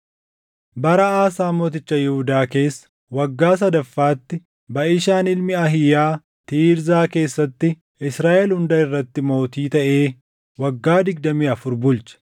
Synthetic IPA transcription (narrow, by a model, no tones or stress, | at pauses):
bɐɾɐaːsaːmo̞ːt̪ɪt͡ʃːɐjɛhʊd̪aːke̞ːsːɐ̥ | wɐɡːaːs̬ɐd̪ɐfːaːt̪ːɪ | bɐʔɪʃaːnɪlmɪɐɦɪjaː | t̪iːɾzaːke̞ːsːɐt̪ːɪ | ɪsɾaːʔɛlhʊnd̪ɐɪrːɐt̪ːɪmo̞ːt̪iːt̪ɐʔe̞ː | wɐɡːaːd̪ɪɡ̚d̪ɐmiːɐfʊɾbʊlt͡ʃɐ̥